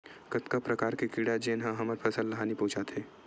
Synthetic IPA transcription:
kɐt̪kapɾɐkaːɾkekiɽad͡ʒeːnɦãɦɐməɾpʰɐsəlːɐɦaːnipũːt͡ʃat̪ʰeː

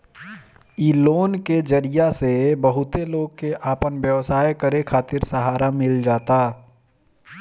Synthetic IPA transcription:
iːloːnked͡ʒɐɾijasebəɦʊt̪eloːɡ̚keʔaːpənbjəʋsaːjkəɾekʰaːt̪ɪɾsəɦaːɾamɪld͡ʒaːt̪aː

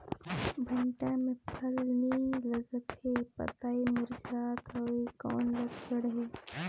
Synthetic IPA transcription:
bʱɐɳʈãmepʰɐlniːlɐɡət̪hepə̰t̪aːimuɾd͡ʒaːd̪əʋikɔ̰ːnləɡsəɽɦeː

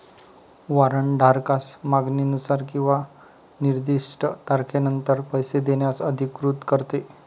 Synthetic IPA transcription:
ʋaɾəɳɖʱaɾkasmaɡninusaɾkĩw̃ʋa | niɾd̪iʂʈət̪aɾkʰenənt̪əɾpəjsed̪eɳjasəd̪ʱikɾut̪kəɾt̪e

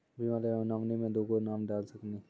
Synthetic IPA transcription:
bimaːlenamnimẽd̪oːɡonaːmɖaːlsəkniː

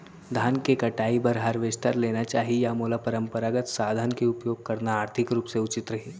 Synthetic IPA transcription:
d̪ʱaːnkekɐʈaːibəɾɦaɾʋɪst̪əɾleːnat͡ʃaːɦijamulapɐɾə̃mpəɾaːɡət̪saːd̪ʱənkeʊpjoːɡ̚kɐɾnaːɾt̪ʰɪkɾuːpseʊt͡ʃɪt̪ɾɐɦiː

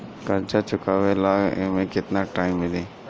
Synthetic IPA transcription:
kɐɾt͡ʃat͡ʃʊkaʋelaːɡmẽkɪt̪naʈaːɪmːɪleː

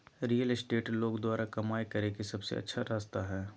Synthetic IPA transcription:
ɾiːjəlɪsʈeːʈloːɡd̪waːɾakɐmaːekɐɾekisɐbsḛɐ̰tːʃʰaɾaːst̪aɦɛː

